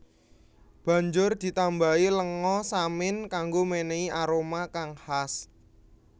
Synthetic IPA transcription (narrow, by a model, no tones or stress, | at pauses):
b̥a̤ɲd͡ʒʊrd̪̥i̤t̪ambailəŋɔsamɪnkaŋɡomeneiaɾomakaŋhas